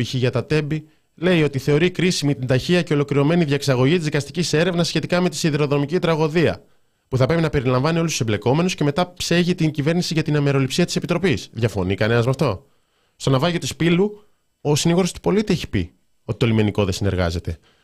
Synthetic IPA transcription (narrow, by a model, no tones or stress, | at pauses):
içiʝɐt̪ɐt̪e̞bi | le̞io̞t̪iθe̞o̞ɾikɾisimit̪ind̪ɐçiɐce̞o̞lo̞kɾiɾo̞me̞niðʝɐeksɐɣo̞ʝit̪izðikɐst̪icise̞ɾe̞vnɐsçe̞t̪ikɐme̞t̪i̥siðeɾo̞ðonomicit̪ɾɐɣo̞ðiɐ̰ | puθɐpɾe̞pinɐpe̞ɾilɐɱvɐniolustu̥semble̞ko̞me̞nusce̞me̞t̪ɐpseʝit̪iɲɟive̞ɾnisiʝɐt̪inɐme̞ɾo̞lipsiɐt̪i̥se̞pit̪ɾo̞pisðʝɐfo̞̰nikɐne̞nɐzmɐft̪o̞ | st̪onɐvɐʝiot̪ispilu | o̞siniɣoɾost̪u̥po̞lit̪ieçi̥pḭ | o̞t̪i̥t̪o̞lime̞niko̞ðe̞sine̞ɾɣɐ̰ze̞t̪e̞